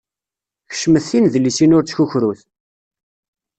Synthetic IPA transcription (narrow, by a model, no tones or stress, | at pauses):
çə̥ʃməθinðəlːisinʊɾt͡sə̥çuçɾuθ